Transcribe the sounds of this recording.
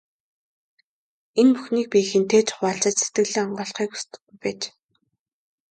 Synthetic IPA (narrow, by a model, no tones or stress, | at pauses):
enpuxniːk̚pʲixɘ̆nt̪ʰeːt͡ɕʰʊ̥χaːɬt͡ɕə̆t͡ɕse̥t̪ɡɘ̆ɣɮɘ̆ŋɔɴɢœːɮχiːku̥st̪ɘ̥̆ɡujpæːt͡ɕ